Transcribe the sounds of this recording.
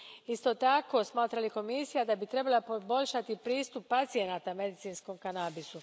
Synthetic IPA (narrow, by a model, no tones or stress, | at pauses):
ist̪o̞t̪ako̞smaːt̪ɾaliko̞misijad̪abit̪ɾe̞balapobo̞ʎʃat̪ipɾiːst̪upːat̪sijenaːt̪ame̞d̪it̪siːnskomkanaːbisu